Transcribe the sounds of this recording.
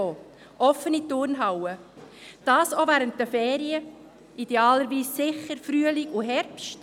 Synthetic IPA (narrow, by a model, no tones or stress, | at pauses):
o | ʔɔfənitʊɾnɦɑwəd̥ɑːsovæɾənt̚dəfɛːɾiə | ʔid̥eɑːləɾʋiːssɪχəɾfɾyːəlɪkuɦɛɾpʃt